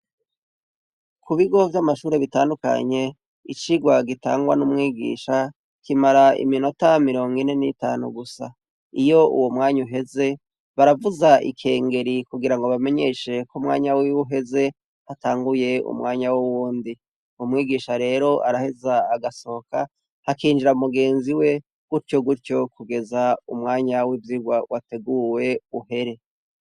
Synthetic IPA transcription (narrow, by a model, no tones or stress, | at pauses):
kʰuβiɡo̞vjamaʃuːɾe̞βitaːnduka̰ɲe̞ | ḭt͡ʃiɡwaɡita̰ːŋɡwa̰numŋiːɡḭːʃa | kimaɾaḭmino̞tamiɾo̞ŋɡine̞nita̰ːnṵɡusa̰ | ijo̞ṵwomŋaːɲuɦe̞ze̞ | βaɾavuzaʔḭkʰe̞ːŋɡe̞ɾikuɡiɾaŋɡo̞βame̞ɲe̞ʃe̞komŋa̰ːɲawiwuɦe̞ze̞ | hataːŋɡuje̞ṵmŋaːɲawuwuːndi | umŋiːɡiːʃaɾe̞ːɾo̞ʔa̰ɾahe̞zaːɡaso̞oka | hakiːnd͡ʒiɾamuɡe̞ːnziwe̞ | ɡ̥uɾco̞ɡuɾco̞kuɡe̞zaumŋaːɲawiːvjiɡwawateɡuwe̞uhe̞ɾe̞